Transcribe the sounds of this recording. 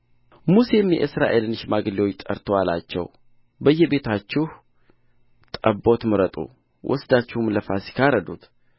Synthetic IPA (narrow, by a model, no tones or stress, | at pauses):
muse̞mjɛ̰ʔɨsɾa̰ʔe̞lɨnʃmaɡɨliwot͡ʃːt̪ʼə̰ɾt̪ʰoala̰t͡ʃːɛ̰w | bəjːɛbe̞t̪ʰat͡ʃːɪh | t̪ʼəbːo̞t̪mɨɾət̪ʼṵ | wʔɔ̰sd̪at͡ʃːɪhumləfasi̥kʰaɾəd̪ut̪